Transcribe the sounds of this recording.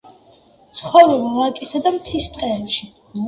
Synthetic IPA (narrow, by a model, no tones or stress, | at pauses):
tsχɔvɾɛvɔlakʼisad̪amt̪ʰist̪ʼqʼɛɛpʃi